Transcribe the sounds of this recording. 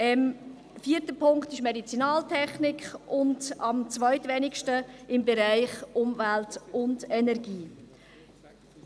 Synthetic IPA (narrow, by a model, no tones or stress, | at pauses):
ɛm | fiːəɾtəpʰʊŋktɪʃmedit͡sinɑːltʰɛχnɪkχʊndɑmt͡svœʏtvɛnɪkʃtəɪmbɛɾaɪχʊmvæltʊndɛnɛɾɡiː